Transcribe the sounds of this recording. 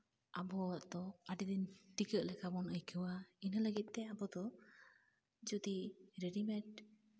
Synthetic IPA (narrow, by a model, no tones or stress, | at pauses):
abɔaʔd̪ɔaɖid̪inʈikəʔlɛkabɔnəjkʰɯwainələɡit̪̚t̪ɛabɔd̪ɔ | d͡ʒud̪iɾɛɖimɛʈ